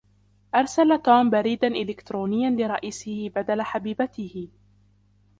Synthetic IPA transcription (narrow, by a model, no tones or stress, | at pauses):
ʔɑɾˤsalat̪uːmbaɾiːd̪anʔɪlɪkt̪ɾoːnɪjːanlɪɾˤɑʔiːsɪhɪbad̪alaħabiːbat̪ɪhɪ